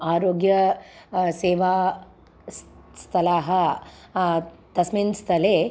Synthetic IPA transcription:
aːɾoːɡjɐ | seːʋaː | sst̪ʰɐlaːɦɐ | t̪ɐsmiːnst̪ʰɐleː

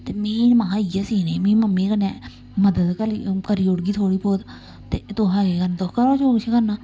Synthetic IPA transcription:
t̪emeːnmãːijasinemĩːməmːiːkəne | məd̪əd̪kəlikəɾiːʊɽɡiːt̪ʰoːɽiːpoːd̪ | t̪et̪oɦãːekənt̪okəɾoːt͡ʃʰoːkt͡ʃʰekəɾnaː

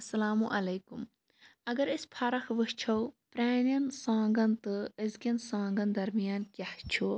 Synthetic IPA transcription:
ɐsɐlaːmuʔɐlɐjkum | ɐɡɐɾispʰɐɾɐxʋɨht͡ʃʰɐwpɾaːnɐnsãːŋɡɐnt̪ɨɐzɡʲɐnsãːŋɡɐnd̪ɐɾmijaːnkʲɐht͡ʃʰu

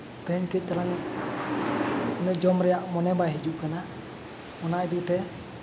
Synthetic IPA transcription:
t̪ɛɦɛɲkic̪̚ˀt̪aɾaŋ | ɔnɛd͡ʒɔmɾɛjaʔmɔnɛbaɦid͡ʒuʔkana | ɔnad̪it̪ɛ

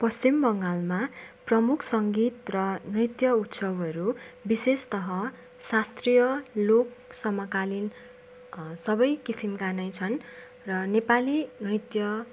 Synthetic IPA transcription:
pʌst͡simbʌŋɡalmaprʌmukʰsʌŋɡit̪rʌnrit̪jʌut̪sʌbʌɾubisest̪ʌɦʌ | sast̪rijʌlok̚sʌmʌkalin | sʌbʌjkisimkanʌjt͡sʰʌn | rʌnepalinrit̪jʌ

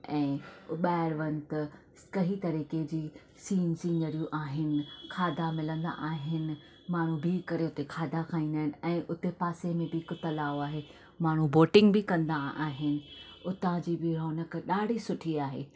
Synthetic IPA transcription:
ɛ̃ːɓaːɪɾʋɐ̃nt̪ | kɐɦit̪ɐɾiːked͡ʑiː | siːnsĩːɲɡəɾijũʔaːɦɪnɪ̆kʰaːd̪ʱamɪlə̃nd̪a̰ʔaːɦɪnɪ̆ | maːɳ̤ũbɪkɐɾeʊt̪ekʰaːd̪akʰaːĩːnd̪aːɦɪnɪ̆ɛ̃ːʔʊt̪epaːsemẽbɪkʊt̪ɐlaːoaːɦe | maːɽ̤ũboːʈɪ̃ŋɡbɪkɐ̃nd̪aaːɦɪnɪ̆ʊt̪ãd͡ʑiːbɪɾoːnəkɗaːɖʱisʊʈʰiaːɦḛː

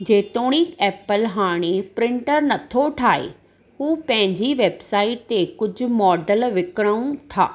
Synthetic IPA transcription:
d͡ʑeːt̪oːɽ̃ikɛːpəlɦaːɽ̃epɾɪ̃ɳʈəɾnɐt̪ʰoʈʰaːḛ | ɦuːpɐ̃ɦɪ̃ɲd͡ʑiʋeːbsaːɪʈ̚t̪ekʊd͡ʑʱʊ̆mɔːɖəlʋɪkəɽ̃əũʈʰa̰ː

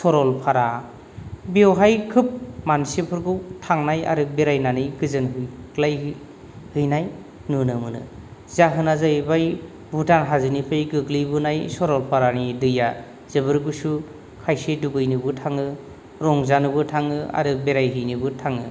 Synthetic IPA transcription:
sɔɾɔlpʰaɾa | bewɦajkʰɯp̚mansepʰɯɾɡɯwtʰaŋnaja̰ɾɯbeɾajnanɯjɡɯzɯnɦɯjklaj | hɯjnaj | nunɯmɯnɯ̰zaɦɯnazabaj | bʱutanɦazɯnipʰɯjɡɯklibɯnajsɔɾɔlpʰaɾanidɯja | z̥ɯbɯɾɡɯsu | kʰajseduɡɯjnɯbɯtʰaŋɯ | ɾɔŋzanɯbɯtʰaŋɯa̰ɾɯbeɾajɦɯjnɯbɯtʰaŋɯ̰

